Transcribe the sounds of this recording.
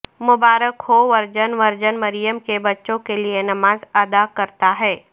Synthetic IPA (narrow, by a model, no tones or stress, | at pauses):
mʊbaːɾəkhoʋɐɾd͡ʒənʋɐɾd͡ʒənmɐɾijəmkebɐtːʃõkelienɐmaːzɐd̪akɐɾt̪aɦɛː